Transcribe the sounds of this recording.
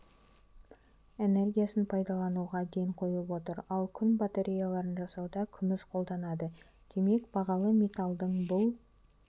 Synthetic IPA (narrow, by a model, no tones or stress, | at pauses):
e̞ne̞rɡʲijasənpʰɑjd̪ɑlˠɑnuʁɑd̪ejɴqʰo̞jəlˠəpwo̞t̪əɾɑlˠkʲʰʏnbat̪eɾʲʔijalˠɑɾənʒɑsɑwd̪ɑkʲʰʏnɪsqʰo̞lˠd̪ɑnɑd̪ə | d̪̥e̞me̞kbɑʁɑlˠəmʲe̞t̪alˠd̪əɴbʊlˠ